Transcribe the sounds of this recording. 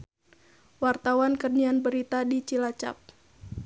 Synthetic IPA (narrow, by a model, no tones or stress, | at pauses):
wart̪awankərnianbəɾit̪adit͡ʃilat͡ʃa̰p̚